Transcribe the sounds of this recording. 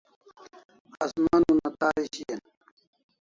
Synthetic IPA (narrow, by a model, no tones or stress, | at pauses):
ɐsmanunɐt̪aːiɕien